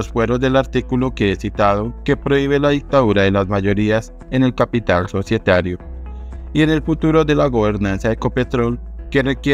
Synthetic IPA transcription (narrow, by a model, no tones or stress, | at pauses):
osfwe̞ɾo̞zd̪e̞laɾt̪ikuloke̞esit̪að̞o̞ke̞pɾo̞iβ̞e̞laðik̚t̪aðuɾaðe̞lazmaʝo̞ɾias | e̞ne̞lkapit̪also̞sje̞t̪aɾjo̞ | ie̞ne̞lfut̪uɾo̞ðe̞laɣo̞βe̞ɾnansjaðeko̞pe̞t̪ɾo̞lke̞re̞kje